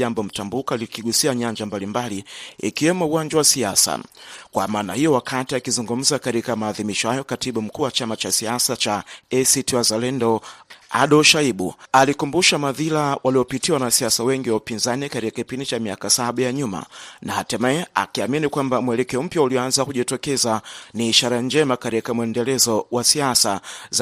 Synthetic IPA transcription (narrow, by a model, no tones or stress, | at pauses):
ambɔm̩tambukalikiɠusiaɲaɲd͡ʒambalimbaliḭkiwɛmuuwaɲd͡ʒawasiasa̰kwa̰maːnahijɔwakʰatiakizuŋɡum̩zakaɾikamaːðimiʃɔhajɔkatiɓum̩kuːwat͡ʃamat͡ʃasiasat͡ʃaɛsitiwazalɛndɔa̰ɗɔlʃaiɓṵalikumbuʃamaðilawʔaliɔpitiwanasiasawɛŋɡiwaupinzanikatɾikakipindit͡ʃamiakasaɓajaɲuma̰naatɛmɛɛa̰kiaminikwambamwɛlɛkɛɔm̩pjauliɔanzakuʄitɔkɛzaniːʃaɾand͡ʒɛmakaɾikamuɛndɛlɛzɔwasiasaz